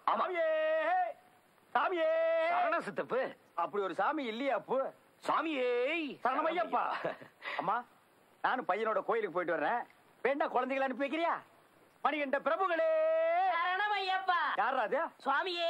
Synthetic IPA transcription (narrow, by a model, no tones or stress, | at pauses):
aaːmie | saːmɪeːnɐ̃sɪt̪ːɐpːɯ | ɐpːɐɽiɔɾɯsaːmiɪlːɐjapːɯ | saːmiesɐɾnɐmɐjːɐpːa̰ːɐmːaː | naːnɯ̃pɐjːɐnoːɽɐkoːjɪlɯkːɯpoːjɪʈːɯʋɐɾɐnẽ | ʋeːɳɖaːkɔɭɐnd̪eɪɣɐɭɐnɯp̬ːɯʋeːk̬ːɪɾɪjaː | mɐnɪɣɐɳɖɐpɪɾɐbɐɡɐɭeː | ɐnɐmɐjɐpːaːjaːɾɾaːðɯaːsaːmie